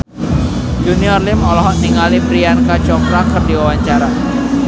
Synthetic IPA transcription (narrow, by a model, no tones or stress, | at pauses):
d͡ʒuniɔrlɪmɔlɔɦɔʔniŋalipɾiankat͡ʃɔkɾakərdiwawaɲt͡ʃaɾa